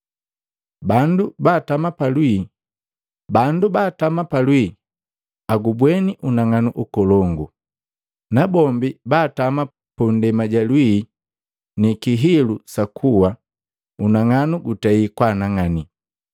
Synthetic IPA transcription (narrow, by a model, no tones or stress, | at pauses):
bandubaːtamapalwi | bandubaːtamapalwi | aɡubwɛniʔunaŋanuʔukɔlɔŋɡu | nabɔmbibaːtama | pundɛmaɟalwi | nikiɦilusakʰuwa | unaŋanuɡutaikwanaŋani